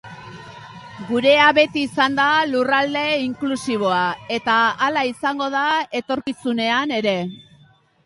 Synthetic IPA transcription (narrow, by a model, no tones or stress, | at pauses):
ɡuɾe̞aβe̞t̪iːsand̪alurald̪e̞iŋklusiβ̞o̞ae̞t̪aːlaisaŋɡo̞ðae̞t̪o̞ɾkisune̞ane̞ɾe̞